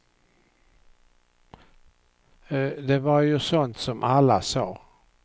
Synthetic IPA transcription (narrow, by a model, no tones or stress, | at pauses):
d̪ɛvaɾjɵsɔnt̪sɔmʔalːasɑː